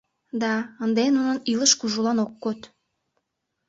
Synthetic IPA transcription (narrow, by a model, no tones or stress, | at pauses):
d̪ɑənd̪enunəniləʃkuʒulɑnokːot̪